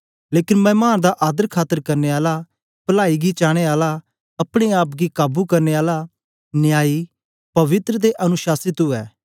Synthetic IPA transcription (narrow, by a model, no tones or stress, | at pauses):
leːkɪnmɛ̃ːmaːnd̪aʔaːd̪əɾkʰaːt̪əɾkɐɾneːaːla | pɐlaːiɡit͡ʃaːɽ̃eaːla | ɐpɽ̃eaːpɡikaːbukɐɾneːaːla | nɪjaːi | pɐʋɪt̪ɾəd̪eʔɐnʊʃaːsɪt̪ɦʊɛː